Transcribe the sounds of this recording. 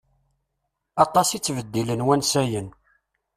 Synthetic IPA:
ɑt̪ˤɑsit͡sːvəd̪ːilənwænsæjən

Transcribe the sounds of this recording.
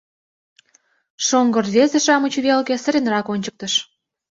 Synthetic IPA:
ʃoŋɡɤrβezeʃɑmut͡ɕuβelkĕsə̆ɾenrɑkonʲt͡ɕək̚t̪ə̆ʃ

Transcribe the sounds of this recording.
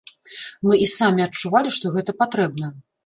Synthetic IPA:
mɨʔisamʲiɐt͡ʂːuvalʲiʂt̪ɔɣɛt̪ɐpat̪ɾɛbnɐ

